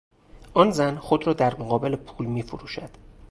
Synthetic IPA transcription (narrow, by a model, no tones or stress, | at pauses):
ʔɒːnzænxod̪ɾɒːd̪æɾmoɣɒːbe̞le̞pʰuːlmiːfoɾuːʃæd̪̥